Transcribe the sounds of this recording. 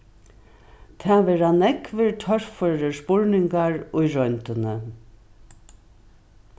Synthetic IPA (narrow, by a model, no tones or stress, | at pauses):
t̪ʰɛːʋeːɹanɛkʋəɹtʰœɹ̥føɹəspʊɹnɪŋkaɹʊjɹɔʏnt̪ənə